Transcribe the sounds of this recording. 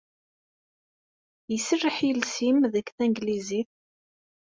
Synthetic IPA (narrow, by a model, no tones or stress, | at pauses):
jəsərːəħjəlsimðəkθæŋɡliziθ